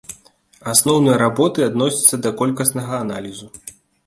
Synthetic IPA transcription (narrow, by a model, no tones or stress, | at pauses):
asnɔwnɨjɐɾabɔt̪ɨad̪nɔsʲɐ̥t̪sːɐd̪ɐkɔlʲkɐsnɐɣɐːnalʲizu